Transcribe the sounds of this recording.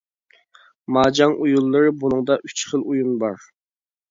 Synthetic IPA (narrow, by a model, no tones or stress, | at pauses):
mɑːd͡ʒɑŋʔujulˠːɨɾɨbunɨŋd̪ɑʔyt͡ʃχəlˠujunbɑɾ